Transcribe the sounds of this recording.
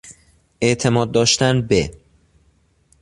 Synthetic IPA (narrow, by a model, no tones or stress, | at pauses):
ʔeʔt̪ʰe̞mɒːd̪̚ːɒːʃt̪ænbe